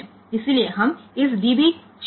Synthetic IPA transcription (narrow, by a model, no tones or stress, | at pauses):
ɪsilieɦɐmɪs̬d̪ibik | t͡ʃ